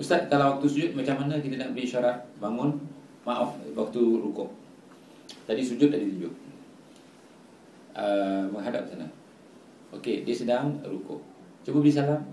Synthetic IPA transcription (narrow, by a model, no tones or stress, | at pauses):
ust̪at̪̚kalawak̚t̪usud͡ʒʊt̪̚mat͡ʃamanakit̪ənaʔbəɾiiʃaɾat̪̚baŋʊn | maʔafwak̚t̪uɾukʊ̰ʔ | d͡ʒadisud͡ʒʊt̪̚ːaditud͡ʒʊʔ̚ | əməŋɦada̰p̚sanə̰ | ʔokediəsədaŋɾukʊ̰ʔ | t͡ʃəbədis̬alam